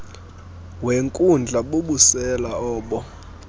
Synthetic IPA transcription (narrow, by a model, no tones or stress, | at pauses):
weŋkʼund͡ɮʱaɓoɓusɛlaɔːɓɔ